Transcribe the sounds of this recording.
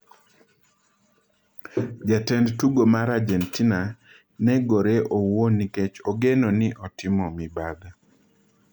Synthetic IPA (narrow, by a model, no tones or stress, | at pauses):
d͡ʒatɛndtuɡomaɾad͡ʒɛntina | nɛɡoɾeʔowoniket͡ʃɔɡenɔnɪʔɔtɪmɔmɪbad̪a